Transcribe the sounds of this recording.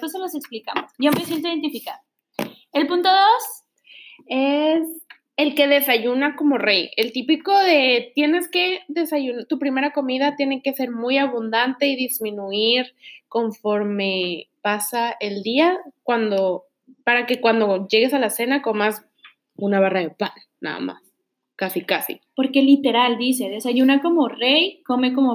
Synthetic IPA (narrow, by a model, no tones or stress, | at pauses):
t̪oseloseksplikamosʝomesjent̪oiðent̪ifikaðo | e̞lpunt̪o̞ðo̞s | e̞s | e̞lke̞ðe̞saʝunako̞mo̞reje̞lt̪ipiko̞ðe̞t̪je̞ne̞ske̞ðe̞saʝunat̪upɾime̞ɾako̞miðat̪je̞ne̞ke̞se̞ɾmujaβund̪ant̪e̞iðizmĩnuiɾko̞ɱfo̞ɾme̞pasae̞ld̪iakwand̪o̞ | paɾake̞kwand̪o̞ʝe̞ɣe̞salase̞nako̞mas | unaβ̞araðe̞pa̰nːa̰ða̰ma̰s | kasikasḭpo̞ɾkelit̪e̞ɾald̪iseðe̞saʝunako̞mo̞rejko̞me̞ko̞mo